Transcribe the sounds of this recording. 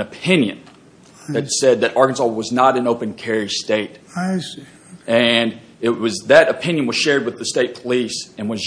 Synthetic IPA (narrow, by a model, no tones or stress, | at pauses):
ɨpʰɪ̃njɨ̃n | ðɨtsɛd̪̚ðɨɾɑɹkɨn̩sɔlˠwʌznəɾɨ̃noʊpɨ̃nkʰɛɹisteɪt | ɨ̃n | ɪt̚wʌzðɨɾɨpʰɪ̃njɨ̃nwʌz̥ʃɛɹd̚wɨðɨsteɪt̚pʰəlisɨ̃nwʌz